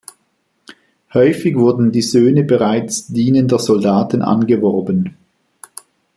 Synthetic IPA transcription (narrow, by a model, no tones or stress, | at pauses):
hɔʏfɪɡvʊɐdn̩diːzøːnəbəʁaɪt͡sd̥iːnəndəzɔldaːtn̩ʔa̰nɡəvɔɐbən